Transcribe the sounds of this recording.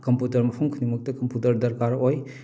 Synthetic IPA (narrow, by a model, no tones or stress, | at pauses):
kɐmputɐɾmɐpʰuŋkʰunimuk̚tɐkɐmputɐɾdɐɾkaɾoj